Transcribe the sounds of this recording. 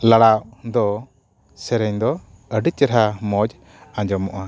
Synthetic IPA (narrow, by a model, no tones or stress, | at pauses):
laɽaʔd̪ɔ | sɛɾɛɲd̪ɔ | əɖiɾɦamɔd͡ʒ | ãɲd͡ʒɔmɔʔa